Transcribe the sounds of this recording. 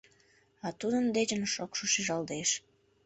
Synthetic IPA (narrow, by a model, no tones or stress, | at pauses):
ɑt̪ud̪ənd̪et͡ɕənʃokʃoʃiʒɑlˠd̪eʃ